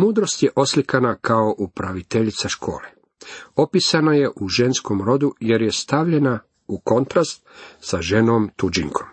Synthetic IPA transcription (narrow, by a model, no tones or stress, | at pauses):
muːd̪ɾo̞st̪je̞ʔo̞slikanakʰao̞ʔupɾaʋit̪eʎit̪saʃkʰo̞̰ːle | o̞pisanaje̞ʔuʒe̞nsko̞mɾo̞d̪uje̞ɾjest̪aʋʎe̞na | uko̞nt̪ɾast̪̚saʒe̞nomt̪ud͡ʒḭŋkʰom